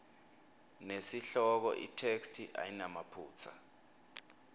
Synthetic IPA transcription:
nesiɬɔk̬ɔ̰ʔḭtʰekstʰiʔa̰jinamapʰuːt͡sʰa̰

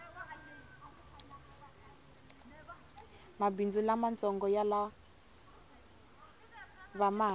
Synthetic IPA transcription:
mabind͡zulamant͡sɔŋɡɔjala | βama

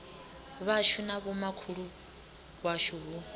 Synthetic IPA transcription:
βaʃunaβɔmakʰuɺu | βwaʃuːβu

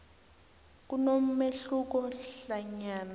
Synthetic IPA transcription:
k̬unom̩meɬuk̬ɔɬaɲaːna

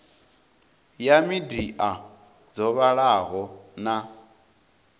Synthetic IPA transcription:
jamidiʔa | d͡zɔβaɺaɦɔna

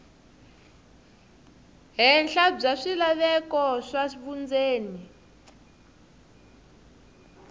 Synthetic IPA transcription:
ɦɛnɬab͡ʐaʂilaβɛkɔʂaʂifund͡zeːni

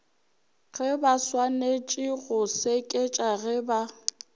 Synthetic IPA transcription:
ɣɛbaswanet͡ʃʼɪɣʊsekʼet͡ʃʼaɣɛba

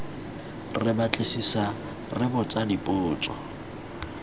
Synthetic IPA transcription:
rɪbat͡ɬʼesisa | rɪbʊt͡sʼadipʼʊːt͡sʼɔ̰

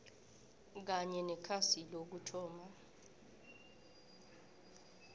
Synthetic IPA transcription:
k̬aɲɛnɛkʰasilok̬utʰɔːma

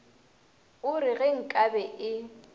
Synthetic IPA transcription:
ʊɾɪɣɛŋ̩kʼabɛʔɪ

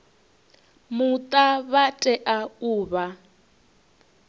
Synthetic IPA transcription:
mut̪ʼaβatʼɛʔauːβa

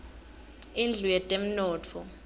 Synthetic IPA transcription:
ind͡ɮʱujɛtʼem̩nɔːt͡fʰɔ

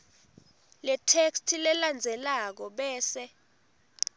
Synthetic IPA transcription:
lɛtʰekstʰilɛland͡zʱɛlak̬ɔɓɛːsɛ

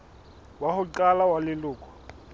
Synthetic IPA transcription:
wahʊǃalawalɪlʊːkʰʼɔ̥

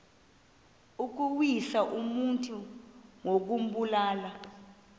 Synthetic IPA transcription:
uk̬uwisaʔumuntʼuŋok̬um̩ɓulaːla

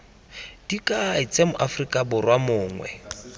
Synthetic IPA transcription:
d̥ikʼaɪt͡sʼɛmʊʔafrikʼabʊrwamʊːŋwɛ̰

